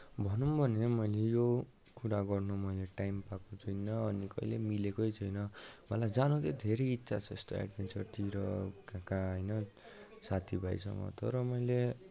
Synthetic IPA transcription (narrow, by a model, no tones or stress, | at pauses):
bʱʌnumbʱʌnemʌjlejo | kuɾaɡʌrnomʌjleʈajmpakot͡sʰuinːʌʌnikʌ̰ilḛmilekojt͡sʰʌjnʌmʌlajd͡zanut̪ed̪ʱeɾejitːsʰat͡sʰʌ̰st̪o̰a̰ɖbʱent͡sʌrt̪iɾʌkakãɦʌjnʌ | sat̪ʰibʱajsʰʌ̰ŋʌ̰t̪ʌɾʌmʌjle